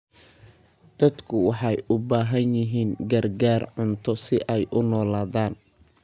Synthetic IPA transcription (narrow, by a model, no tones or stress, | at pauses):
d̪̥ɐd̪kʰʊwɑħɑjʊbaːɦɐnjɪɦiːŋɡɐrɡaːrʕʊnt̪ʰɔsɪʔɛjʔʊnɔːlaːðaːn